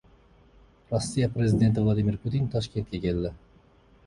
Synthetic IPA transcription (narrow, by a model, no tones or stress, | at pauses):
rosʲːijaprʲezʲɪd̪ʲe̞nt̪ɪvlˠad̪imʲirpʰut̪int̪ʰɔʃkʲent̪̚kʲekʲeld̪ɪ